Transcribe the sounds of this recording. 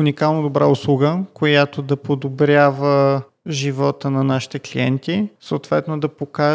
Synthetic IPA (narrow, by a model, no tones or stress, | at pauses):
ʊnikalˠnod̪obɾa̰ʊslˠuɡəkojat̪od̪ɐpod̪obɾʲjavə | ʒivɔt̪ənɐnaʃi̥t̪ɛklʲḭɛnt̪isəot̪vɛt̪nod̪ɐpoka